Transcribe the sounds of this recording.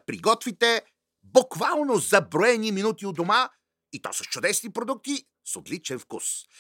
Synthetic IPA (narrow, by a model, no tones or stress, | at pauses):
pɾḭɡɔt̪vit̪ɛ | bʊkvalˠnozɐbɾoɛniminut̪iod̪oma | it̪ɔ̰səst͡ʃʊd̪ɛsnipɾod̪uk̚t̪i | sot̪lit͡ʃɛnfkṵs